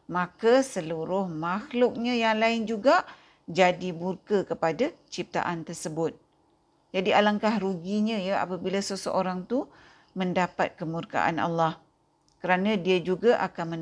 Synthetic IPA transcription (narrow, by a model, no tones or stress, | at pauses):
makasəluɾʊhmaxlʊk̚ɲãjaŋlaɪnd͡ʒuɡaʔ | d͡ʒadimurkakəpadat͡ʃip̚t̪a̰ʔant̪ərsəbʊt̪̚ | d͡ʒadialaŋkahɾuɡiɲə̃jəa̰pabilasəsəʔoɾaŋt̪u | məndapa̰t̪̚kəmurka̰ʔa̰na̰lːah | kəɾanãdiad͡ʒuɡaʔakanmən